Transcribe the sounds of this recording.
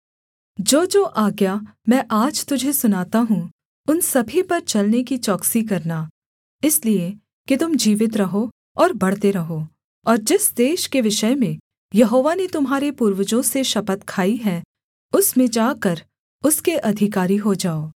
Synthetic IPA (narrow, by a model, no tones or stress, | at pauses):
d͡ʒoːd͡ʒoːʔaːɡjamɛ̃ːʔaːd͡ʒt̪ʊd͡ʒʱesʊnaːt̪aɦũ | ʊnsɐbʱipɐɾt͡ʃɐlnekit͡ʃɔːksik̬ɐɾna | ɪslie | kit̪ʊmd͡ʒiːʋɪt̪ɾɐɦo | ɔːɾbɐɽ̤t̪eɾɐɦoː | ɔːɾd͡ʒɪsd̪eːʃkeʋɪʃəjmẽ | jɐɦoːʋanet̪ʊmɦaːɾepuːɾʋəd͡ʒõseʃɐpət̪kʰaːiɦɛ | ʊsmẽd͡ʒaːkɐɾ | ʊskeʔɐd̪ʱɪkaːɾiɦod͡ʒaːoː